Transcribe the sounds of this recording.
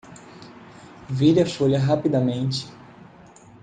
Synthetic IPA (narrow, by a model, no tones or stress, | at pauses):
viɾɐfoʎɐɦapid̪ɐmẽnt͡ʃɪ̥